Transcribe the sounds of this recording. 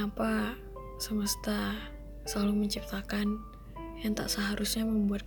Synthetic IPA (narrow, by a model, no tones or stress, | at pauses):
apa | səməst̪a | səlaluməɲt͡ʃip̚t̪akan | jaŋt̪a̰ʔsəɦaɾʔusɲaməmbuat̪̚k